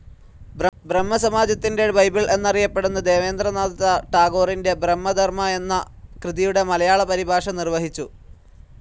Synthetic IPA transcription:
bbremːɐsɐmaːd͡ʑɐt̪ːindebɐjbiɭe̞nːɐrijɐpːeɽunːud̪e̞ːʋe̞ːnd̪rɐnaːd̪ɐt̪ɐʈaːɡo̞ːrinde̞bremːɐd̪ʱɐrmɐe̞nːɐ | krɨðijuɽe̞mɐlɐjaːɭɐpɐɾibʱaːʂɐnirʋɐɦit͡ɕːu

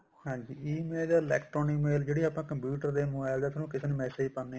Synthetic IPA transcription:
hãːɲd͡ʒiːiːmeːldaɪlɛːkʈɾɔːnimeːld͡ʒeːɽiaːpnãːkə̃mpjuːʈəɾd̪eːmoːbaːɪld̪eːt̪ʰnũːkɪseːnũmɛːseːd͡ʒpənːe

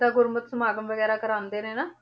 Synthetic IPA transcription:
aːɡʊɾmət̪səmaːɡəmʋəɡɛːɾaːkəɾaːnd̪eːnẽːnaː

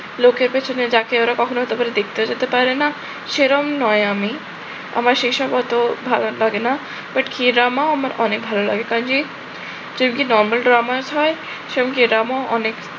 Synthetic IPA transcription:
lokeɾpet͡ɕʰoned͡ʑakeoɾakɔkʰonoɦot̪epaɾed̪ek̚ʰt̪eod͡ʑet̪epaɾɾena | ʃeɾɔmnɔeami | a̰maɾʃejʃɔbɔt̪obʱalolaɡena | b̥aʈkʰiɾamaamaɾɔ̰nek̚bʱalola̰ɡekand͡ʑi | d͡ʑod̪ikinɔɾmalɖɾamad͡ʑɦɔe | ʃeɾɔmkiɾamaʔɔnek

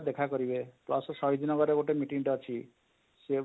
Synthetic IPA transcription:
d̪ekʰakɔɾibeplɔssɔjd̪ʱinɔɡɔɾeɡoʈemiʈiŋʈɔt͡ʃʰi | se

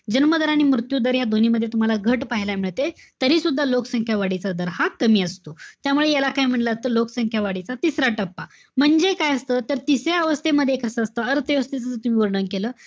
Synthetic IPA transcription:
d͡ʑənməd̪əɾaɽ̃imɾut̪jud̪əɾɦjad̪oniməd̪ʱːjet̪um̤alaɡʱəʈpaɦilamiɭt̪e | t̪əɾiːsud̪ʱːaloksəŋkʰjaʋaɽit͡sad̪əɾhakəmiːəst̪ot̪jamuɭejalakajm̤əɳlət̪əlokəsəŋkʰjaʋaɽit͡sat̪isɾaʈəpːa | m̤əɳd͡zekajəst̪ət̪əɾt̪iseəʋəst̪eməd̪ʱːjekʰəsəəst̪əəɾt̪əʋəst̪et͡sət͡sət̪um̤iːʋəɾɳənkeləː

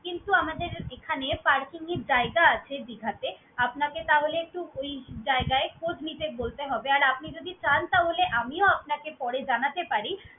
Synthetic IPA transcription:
kint̪uamad̪eɾekʰanepaɾkiŋeɾd͡ʑaeɡaat͡ɕʰebiɡʱat̪e | apnaket̪aɦoleek̚ʈuojd͡ʑaeɡaekʰod͡ʑnit̪ebolt̪eɦɔbeaɾap̚nid͡ʑod̪ʱit͡ɕant̪aɦoleʔamioap̚nakepɔɽed͡ʑanat̪epaɾi

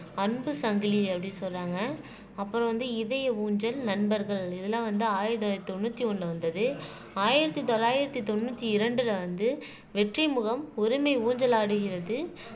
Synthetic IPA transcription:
ɐnbɯsɐŋɡliɐpːɐɽisɔlraːŋɡɐ | ɐpːɯɾɔ̃ʋɐnd̪ɯɪðɐjɐuːɲd͡ʒɐlnɐnbɐɾɣɐɭɪðɐlːãːʋɐnd̪ɯaːjɪɾɐt̪ːt̪ɔnːut̪ːiɔɳɖɯʋɐnd̪ɐðɯ | aːjɪɾɐt̪ːit̪ɔlːaːjɪɾɐt̪ːit̪ɔnːut̪ːiɪɾɐɳɖɪlɐʋɐnd̪ɯ | ʋɛʈrimʊɣɐmɔɾɪmɐɪuːɲd͡ʒɐlaːɽɯɣɪɾɐðɯ

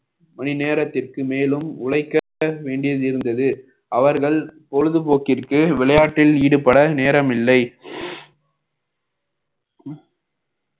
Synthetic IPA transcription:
mɐnɪneːɾɐt̪ːɪrkɯmeːlɯmʊɻɐɪkːɐ | ʋeːɳɖɪjɐðɪɾɯnd̪ɐðɯ | ʔɐʋɐɾɣɐɭpɔɻɯðɯpoːkɪrkɯʋɪlɐjaːʈːɪlniːɽɯpːɐɽɐneːɾɐmɪlːɐɪ

